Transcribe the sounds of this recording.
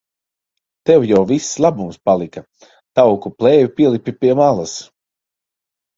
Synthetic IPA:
t̪ɛwjawvisːlˠabumspalˠika | t̪awkuplˠɛːjupʲiɛlˠipʲipʲiɛmalˠas

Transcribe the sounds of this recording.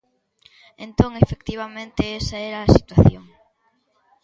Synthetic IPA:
ẽnt̪oŋefekt̪iβ̞amẽnt̪eɛsɐɛɾɐːsi̥t̪waθjoŋ

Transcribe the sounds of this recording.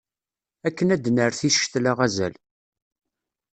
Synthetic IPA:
ækːənæd̪nəɾθiʃt̪laʁæzæ̰l

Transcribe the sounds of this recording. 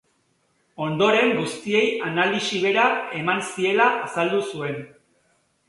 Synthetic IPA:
o̞nd̪o̞ɾe̞ŋɡust̪ie̞janalisiβe̞ɾae̞mansie̞laʔasald̪usue̞n

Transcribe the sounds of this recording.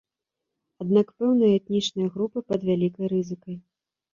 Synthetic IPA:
ad̪nakpɛwnɨjɐɛt̪nʲit͡ʂnɨjɐɣɾupɨpɐd̪vʲalʲikɐjɾɨzɨkɐj

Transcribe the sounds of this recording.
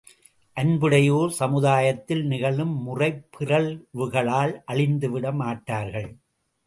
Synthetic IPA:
ʔɐnbɯɽɐjoːɾsɐmɯðaːjɐt̪ːɪlnɪɣɐɭɯmːʊrɐɪpːɪrɐɭʋɯɣɐɭaːlʔɐɭɪnd̪ɯʋɪɽɐmaːʈːaːɾɣɐɭ

